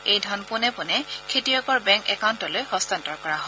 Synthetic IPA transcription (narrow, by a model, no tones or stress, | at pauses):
ejdʱɔnpʊnɛpʊnɛkʰetijɔkɔɹbɛ̃ŋkɛkawntɔlojhɔstantɔɹkɔɹaɦɔ